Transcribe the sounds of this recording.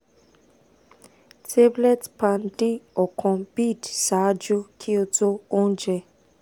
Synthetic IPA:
tʰe˦blɛ˦˨tpã˧n˦di˦ɔ˨kʰɔ̃˧bi˦˨dsa˨˦d͡ʒu˦kʰi˦o˧to˦o˦n̩˦d͡ʒɛ˧

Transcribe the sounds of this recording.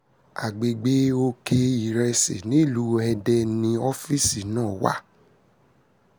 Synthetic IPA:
a̰˨ɡ͡be˨ɡ͡be˨˦o˧ke˧i˨ɾɛ˧sḛ˨nĩ˨˦˨lu˨˦ɛ˧dɛ˧nĩ˧ɔ˦fi˦˨si˨nãː˦˨wa̰˦

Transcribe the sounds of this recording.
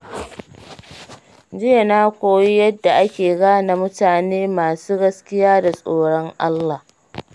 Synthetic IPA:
d͡ʒɪ˦ja˨naː˦kʷoː˨ji˦jɐ˦dːa˨ʔa˦kʲeː˨ɡaː˦na˨mʊ˦taː˨neː˦maː˨suː˦ɡɐ˦skʲɪ˦jaː˦da˨sʼoː˨ɽɔ˦ŋʔa˦lːa˨h

